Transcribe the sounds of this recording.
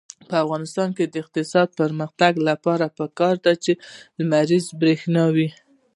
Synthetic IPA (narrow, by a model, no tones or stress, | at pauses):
pəafɣɑnɪst̪ɑnked̪əɪq̚t̪ɪsɑd̪̚pəɾməxt̪aɡlapɑɾapəkɑɾd̪at͡ʃelmaɾizbɾexnɑwi